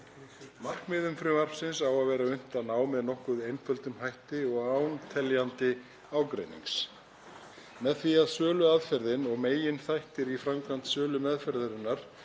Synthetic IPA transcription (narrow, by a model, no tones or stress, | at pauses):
mar̥kmɪðʏmfɾʏmar̥fsɪnsawaðvɛːɾaʏn̥t̪anaːwmɛðnɔhkʏðejnfʰœlt̪ʏmɦajht̪ɪɔɣaːwnt̪ʰɛljant̪ɪ | aːwkɾḛjnḭŋks | mɛðθiaðsœːlʏaðfɛɾðɪnɔɣmeːjɪnθajht̪ɪɾifɾamkant̪sœːlʏmɛðfɛɾðʏɾɪnːaɾ̥